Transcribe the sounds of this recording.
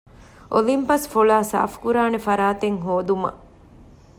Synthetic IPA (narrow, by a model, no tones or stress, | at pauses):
ʔolimpɐsfolaːsa̰ːfkuɾaːnefɐɾaːt̪eŋɦoːd̪umɐ̰